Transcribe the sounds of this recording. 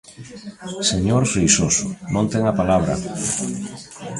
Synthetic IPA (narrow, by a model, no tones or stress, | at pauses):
seɲoɾfɾejsosʊnõnt̪eŋapalaβ̞ɾa̰